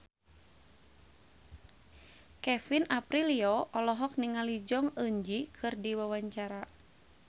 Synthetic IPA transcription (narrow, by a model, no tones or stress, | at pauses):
kɛfinapɾiliɔʔɔlɔɦɔk̚niŋalid͡ʒɔŋəɲd͡ʒikʰɨrdiwawaɲt͡ʃaɾa